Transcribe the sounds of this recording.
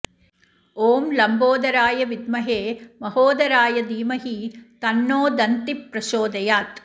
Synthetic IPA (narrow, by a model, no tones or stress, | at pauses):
oːmlɐmboːd̪ɐɾaːjɐʋid̪mɐɦeːmɐhoːd̪ɐɾaːjɐd̪iːmɐɦit̪ɐnːoːd̪ɐnt̪ipɾɐʃoːd̪ɐjaːt̪